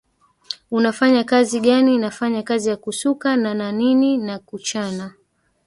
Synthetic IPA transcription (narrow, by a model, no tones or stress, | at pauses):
unafaɲakaziɠaninafaɲakazijakusukanananininakut͡ʃana